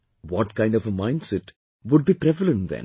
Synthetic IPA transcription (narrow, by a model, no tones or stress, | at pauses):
ʋɔːʈkãɪ̃nɖɔfəmãɪ̃nɖsɛʈ | ʋʊɖ̚biːpɾɛʋələ̃nʈd̪ɛ̰̃n